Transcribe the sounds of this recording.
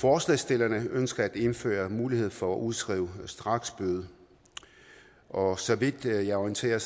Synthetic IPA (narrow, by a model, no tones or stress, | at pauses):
fɒːslɛsd̥e̝lɐnəønsɡ̥ɐæd̥e̝nfø̰ːɐmuːlihe̝ð̞̰ˠfɒ̽æʔuð̞ˠsɡ̥ʁḭːʊsd̥ʁɑ̈ɡ̥sb̥øð̞̩ˠə | ʔɒ̽sɒ̽ʋid̥jɑ̈ɒint͡sʰe̝̰ːɐ